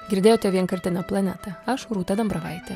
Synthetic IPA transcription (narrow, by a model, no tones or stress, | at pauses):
ɡʲɪɾʲd̪ʲeːjoːt̪ʲɛʋʲiɛnkɐɾʲt̪ʲɪnɐplˠɐnʲæt̪ɐɐʃɾuːt̪ɐd̪ɐmbɾɐʋɐ̰ɪt̪ʲɛ